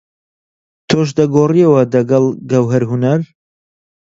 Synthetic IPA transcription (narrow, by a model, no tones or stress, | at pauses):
t̪ʰoʃ̬d̪ɐɡoːriɛwɐd̪ɐɡɐlˠɡɐwɦɐɾɦunɐɾ